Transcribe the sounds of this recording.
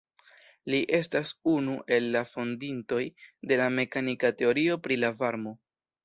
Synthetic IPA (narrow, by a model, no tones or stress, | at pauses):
liʔe̞stasunuʔe̞lːafondinto̞jde̞lame̞kanikate̞o̞ɾio̞pɾilavaɾmo̞